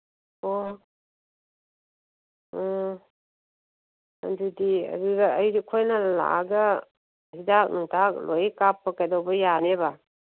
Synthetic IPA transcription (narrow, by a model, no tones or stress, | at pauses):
o | ɔ | a̰dudiɐ̰duɡaːjɾikʰojnala̰ɡa | hidak̚nuŋtʰak̚lojekapːakajdɔwbɐjaneba